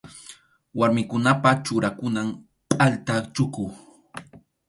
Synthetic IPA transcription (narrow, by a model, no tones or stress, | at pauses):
waɾmɪkʊnapat͡ʃʊɾakʊnam | pʼalt̪at͡ʃʊkʊ